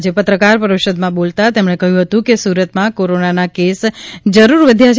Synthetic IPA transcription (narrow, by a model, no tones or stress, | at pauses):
d͡ʒepət̪ɾəkaɾpəɾəʋʃəd̪mãbolt̪at̪emɳ̃ekəɦjũɦət̪ũkesuɾət̪mãkoɾonanakesd͡ʒəɾuɾʋəd̪ʱjat͡ʃʰ